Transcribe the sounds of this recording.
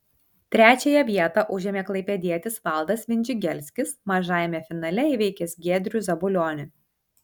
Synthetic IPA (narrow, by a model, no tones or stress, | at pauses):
t̪ʲɾʲæːt͡ʃʲɛjɛʋʲiɛt̪ɑʔʊʒʲeɛmʲeklˠɐɪpʲɛd̪ʲiɛt̪ʲɪsʋɐˑlˠd̪ɐsʋʲɪnʲd͡ʒʲɪɡʲɛlʲsʲkʲɪsmɐʒɑːjɛmʲɛfʲɪnɐlʲɛɪʋʲɛɪkʲɛsɡʲeːd̪ʲɾʲuzʲɐbʊlʲoːnʲʊ